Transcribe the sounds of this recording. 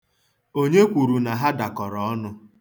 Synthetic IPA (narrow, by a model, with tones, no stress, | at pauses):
o˦ɲe˦kʷu˨ɾu˨na˨ɦa˦da˨kɔ˨ɾɔ˨ɔ˦nʊ˦